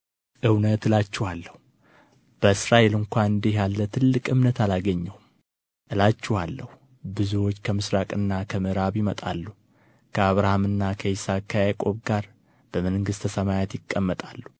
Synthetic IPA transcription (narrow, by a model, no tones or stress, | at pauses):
ʔɨwnət̪ɨlat͡ʃːɛhalːəhu | b̥əɨsɾaʔe̞lɨŋkʷanɨnd̪ejalːət̪ʰɨlːɨkʼɨmnət̪alaɡəɲːɛhum | ʔɨlat͡ʃːɛhalːəhu | bɨzuwo̞t͡ʃːkʰəmɨsɾakʼɨnːakʰəmɨɾaβjɪmət̪ʼa̰lːu | kʰəaβɾahamɨnːakʰəisakʰjajkʼo̞βɡaɾ | b̥əmənŋɡɨst̪ʰəsəmajat̪jɪkʼːəmːət̪ʼalːu